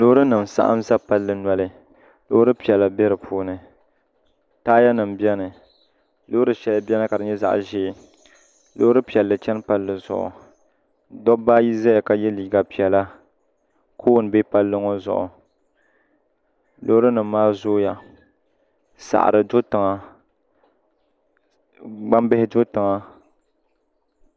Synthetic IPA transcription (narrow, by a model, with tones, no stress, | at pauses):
lo˦ɾɨ˦nɨ˨m˨sa̰˦ʔa̰˦m˦za˦pa˦lːɨ˨na˦lɨ˦˨ | lo˦ɾɨ˦pi˨ɛ˨lːa˨bɛ˦ɾɨ˨pʰuː˦nɨ˨ | taː˦ja˦nɨ˨m̩˨bi˦ɛ˦nɨ˨ | lo˦ɾɨ˦ʃɛ˨lɨ˨bi˦ɛ˦nɨ˦ka˨dɨ˨ɲɛ˦za̰˨ʔʒeː˦˨ | lo˦ɾɨ˦pi˨ɛ˨lːɨ˨t͡ʃɛ˦n˦pa˨lːɨ˨zʊ̰˨ʔʊ̰˨ | dɔ˦baː˦ji˦za˦ja˨ka˨jɛ˦liː˨ɡa˨pi˨ɛ˨la˦ | kʰoː˦˨n˨be˦pa˦lːɨ˦ŋo˦zʊ̰˨ʔʊ̰˨ | lo˦ɾɨ˦nɨ˨m̩ː˦aː˦zoː˦ja˨ | sa̰˨ʔɾɨ˨dʊ˦tɨ˨ŋa˨ | ɡ͡ba˦mbɪ˦hɪ˦dʊ˦tɨ˨ŋa˨